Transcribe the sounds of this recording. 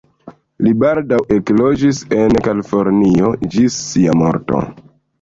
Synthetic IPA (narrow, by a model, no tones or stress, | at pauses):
libaldawe̞klod͡ʒise̞nkalifo̞ɾniod͡ʒisːiamo̞̰ɾto̰